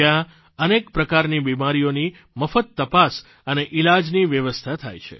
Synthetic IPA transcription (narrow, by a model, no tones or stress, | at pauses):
a | ənekpɾəkaɾnibimaɾijoni | məfət̪ːəpas | əneʔilad͡ʒniʋjəʋəst̪ʰat̪ʰa̰jt͡ʃʰḛ